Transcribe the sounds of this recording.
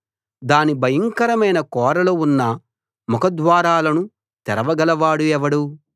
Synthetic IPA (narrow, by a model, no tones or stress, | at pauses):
d̪aːnibʱɐjɐŋkɐɾɐmɐjnɐkɔːɾɐloːunːɐ | mɔkɐd̪ʋaːɾaːlɐnu | t̪ɛɾɐʋɐɡɐlɐʋaːɽuɛʋɐɽu